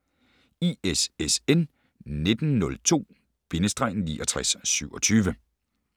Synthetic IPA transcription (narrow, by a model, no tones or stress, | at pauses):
iesesen | ne̝d̥n̩nɔ̽lt͡sʰo̝̰ː | b̥e̝nəsd̥ʁɑ̈ɪn̩nḭːʔɒ̽t͡sʰʁasːyʊ̰ɒ̽t͡sʰyːʋə